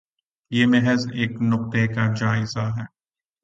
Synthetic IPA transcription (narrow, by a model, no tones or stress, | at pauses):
jeːmɛɦəzeːknʊq̚t̪ekad͡ʒaːɪzaɦɛː